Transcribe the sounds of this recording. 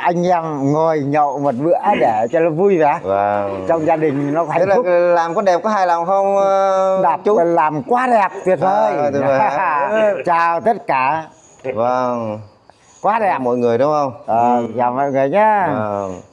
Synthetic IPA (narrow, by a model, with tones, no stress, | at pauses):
ʔa˧jŋ̟ʔɛ˧mŋo˨˩jɲə̰˧˨wmo˨˩t̚ɓɨ̰˧˥ə˦ɗe˧˩t͡ɕɔ˧lɔ˨˦vu˧jvɛː˨˩və˧ | t͡ɕɔ˧wŋ͡mzaː˧ɗï˨˩ŋ̟nɔ˨˦˧a˨˩˦ŋ˦lflaː˨˩mkɔ˨˦ɗɛ˨˩p̚kɔ˨˦ɦaː˧jla˨˩mxə˧wŋ͡mɗaː˨˩p̚t͡ɕu˧˦˨laː˨˩mkwaː˨˦ɗɛ˨˩p̚t̪wi˨˩ət̚t̪ʰəː˨˧˨j | t͡ɕaː˨˩wt̪ə˦˥t̚kaː˧˩ | və˧˩ŋ | kwaː˨˦ɗɛ˨˩p̚mɔ̰˧˨jŋɨ˨˩əjɗʊ˨˦ŋ͡mxə˧wŋ͡mʔəː˨˩zaː˨˩mɔ̰˧˨jŋɨ˨˩əjɲaː˨˧˦